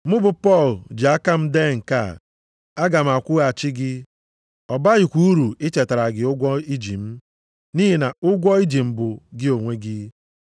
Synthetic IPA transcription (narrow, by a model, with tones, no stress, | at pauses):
mʊ˦bʊ˨pɔ˦˨ld͡ʒi˨a˦ka˦m̩˦de˦˨ŋ̩˨ka̰˦˨ | a˦ɡa˨m̩˨a˨kʷʊ˦a˨t͡ʃɪ˦ɡɪ˦ | ɔ˨ba˦ɣɪ˨kʷu˦u˦ɾu˨ɪ˦t͡ʃe˨ta˨ɾa˨ɡɪ˨ʊ˦ɡʷɔ˦i˦d͡ʒi˨m̩˦ | ni˦ɦi˨na˨ʊ˦ɡʷɔ˦i˦d͡ʒi˨m̩˨bʊ˨ɡɪ˦o˨ŋʷe˦ɡɪ˦